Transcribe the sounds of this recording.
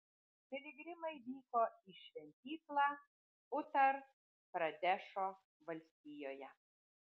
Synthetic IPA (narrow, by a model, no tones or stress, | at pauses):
pʲɪlʲɪɡɾʲɪmɐɪʋʲiːkoːɪʃʲʋʲɛnʲt̪ʲiːklˠɑː | ʊt̪ɐɾ | pɾɐd̪ʲæʃoː | ʋɐlʲsʲt̪ʲɪjoːjɛ